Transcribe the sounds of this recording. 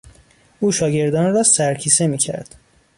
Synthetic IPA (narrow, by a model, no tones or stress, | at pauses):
ʔuːʃɒːɟe̞ɾd̪ɒːnrɒːsæɾcʰiːse̞miːcʰæ̰ɾd̪̥